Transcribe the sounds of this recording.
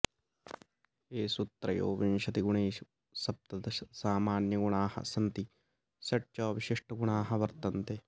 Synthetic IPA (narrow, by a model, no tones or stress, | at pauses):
eːsut̪ːɾɐjo̰ːʋinʃɐt̪iɡʊɳeːʃ | sɐp̚t̪ɐt̪ɐsaːmaːnjɐɡuɳaːhɐ̰sɐnt̪i | sɐʈt͡ʃɐːʋɪʃɪʂʈʰɐɡʊɳaːɦɐ̆ʋɐɾt̪ɐnt̪e